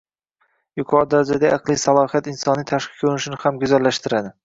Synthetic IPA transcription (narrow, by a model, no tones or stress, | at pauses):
jʊqʰɒɾd̪aɾad͡ʒad̪aʔɑqlˠijsalˠɒhijat̪ɪnsɒnɪjt̪ʰaʃqʰɨ̥kʰɵɾnɪʃɪnɪhamɡʊzalːaʃt̪ɪɾad̪ɪ